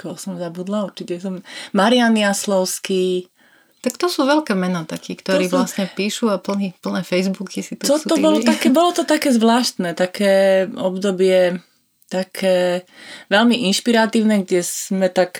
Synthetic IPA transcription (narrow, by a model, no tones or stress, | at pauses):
kɔsɔmzabud̪lauɾt͡ʃicɛsɔmmaɾɪaniaslɔʊski | t̪akt̪ɔsuːʋɛlkɛːmɛnɔt̪akʰiːkt̪ɔɾiːʋlasɲɛpiːʃuapl̩nipl̩nɛːfɛjzbukʰisit̪ɔɔbɔlɔt̪akɛbɔlɔt̪ɔt̪akɛːzʋlaːʃt̪nɛt̪akʰɛːɔbd̪ɔbɪɛ | t̪akʰɛːʋɛlmiʔinʃpiɾat̪iːʊnɛɡɟɛsmɛt̪ak